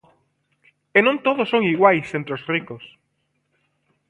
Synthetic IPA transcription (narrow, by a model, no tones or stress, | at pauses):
enõnt̪oð̞osoŋiɣwajsẽnt̪ɾosrikos